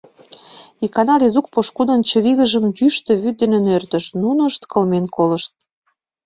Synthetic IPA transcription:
ikɑnɑlizuk̚poʃkud̪ə̆nt͡ɕə̆βiɣə̆ʒə̆mdyʃt̪øβyt̪̚d̪ĕnĕnørt̪ə̆ʃnunəʃt̪kəlmenkʰolə̆ʃt̪̚

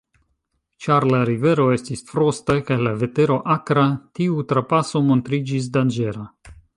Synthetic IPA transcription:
t͡ʃaɾlaɾive̞ɾo̞e̞stisfɾo̞stakajlave̞te̞ɾo̞ʔakɾatiutɾapaso̞mo̞ntɾid͡ʒis̬dand͡ʒe̞ɾa

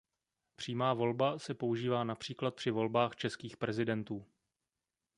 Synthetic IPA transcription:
pr̥iːmaːvo̞lbasɛpo̞uʒiːvaːnapr̥iːklat̪̚pr̥ɪvo̞lbaːxt͡ʃɛskiːxpɾɛzɪdɛnt̪uː

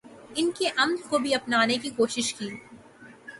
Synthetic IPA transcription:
ɪnkeʔɐmd̪kobʱiɐpnaːnekikoːʃɪʃkiː

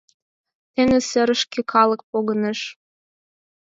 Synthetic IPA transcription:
t̪enĕsɘɾə̆ʃkĕkʰɑlɤ̆k̚poɣə̆neʃ

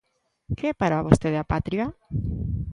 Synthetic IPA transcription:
keɛpaɾaβost̪eðeapat̪ɾia

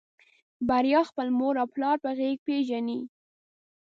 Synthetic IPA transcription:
baɾjɑxpəlmoɾawplɑɾpəɣeɡ̚peʒani

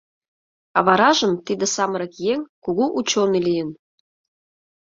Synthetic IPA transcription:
ɑ̰βɑɾɑʒə̆mt̪id̪ĕsɑməɾɤ̆kjeŋʲkuɣuʔut͡ɕonelijə̆n

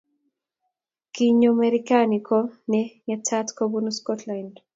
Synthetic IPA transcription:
kiɲomeɾikanikɔnɛɲatʰatkobunoskɔtland

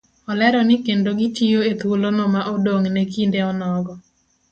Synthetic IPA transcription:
ɔlɛɾɔnɪkendoɡitijoet̪wolonɔmaʔodoŋnɛkindeɔnɔɡɔ

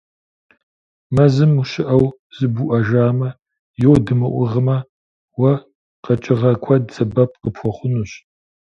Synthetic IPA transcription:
mɐzɨmuɕɪʔɐw | z̥ɨbuʔɐʒaːmɐ | jɛwdɨmɨ̰ʔʷʊʁəmɐ | wɐ | qɐt͡ʃʼɪʁɐkʷʰɐdz̥ɐbɐp̚ʰqəpxʷɔχʷʊnuːɕ

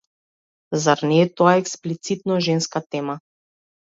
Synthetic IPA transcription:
zaɾnɛːt̪ɔaɛksplit̪sit̪̚nɔʒɛnskat̪ɛma

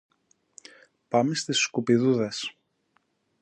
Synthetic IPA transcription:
pɐmest̪isːkupiðuðɐs

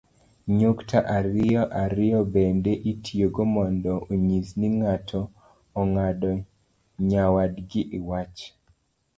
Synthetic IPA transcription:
ɲoktʰaʔarɪɔʔaɾɪjɔbendeʔitʰijoɡomɔndɔoɲisniŋatʰɔː | ŋaɗɔ | ɲawadɡɪʔɪwat͡ʃ

